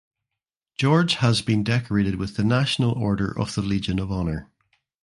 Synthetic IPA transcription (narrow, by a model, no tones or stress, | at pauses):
d̥ʒ̥ɔɹd͡ʒ̥həzbĩndɛkə˞eɾɪd̚wɪðənaʃənəlˠɔɹɾə̰˞ʔə̰v̥ð̥əlˠid͡ʒə̃nəvɔnə˞